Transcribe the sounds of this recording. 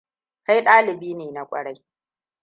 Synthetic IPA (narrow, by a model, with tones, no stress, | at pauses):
ka˦jɗaː˦lɪ˨biː˦neː˨na˨kʷʼɐ̰˨ɽa˦j